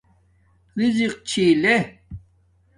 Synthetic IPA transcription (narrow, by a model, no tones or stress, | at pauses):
ɾiziq̚t͡ɕʰiːle